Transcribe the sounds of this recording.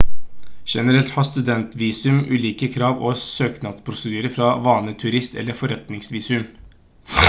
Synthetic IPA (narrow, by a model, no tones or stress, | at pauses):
ʂɛnəɾɛlt̪hɑst̪ʉd̪ɛnt̪ʋiːsʉmʉ̰ːliːkəkʰɾɑːʋosøːknɑt̪pʰɾʊsəd̪yːɾəfɾɑʋɑːnət̪ʰʉɾɪst̪ɛ̰lːəfɔɾɛt̪nɪŋsʋiːsʉm